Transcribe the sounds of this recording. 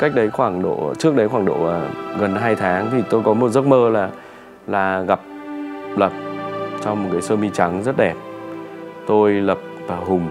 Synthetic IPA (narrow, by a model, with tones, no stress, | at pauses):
ka˦˥k̚ɗə˨˦jxwaː˧˩ŋɗo̰˧˨t͡ɕɨ˦˥ək̚ɗə˨˦jxwaː˧˩ŋɗo̰˧˩aː˨˩ɣə˨˩nɦaː˧jt̪ʰaː˨˦ŋt̪ʰi˨˩t̪o˧jkɔ˨˦mo˨˩t̚zə˦˥t̚məː˧laː˨˩ | laː˨˩ɣa˨˩p̚lə˨˩p̚t͡ɕɔ˧wŋ͡mm˨˩t̚kaː˨˦jsəː˧mi˧t͡ɕa˨˦ŋzə˦˥t̚ɗɛ˨˩p̚ | t̪o˧jlə˨˩p̚vaː˨˧˩ɦʊ˨˩ŋ͡m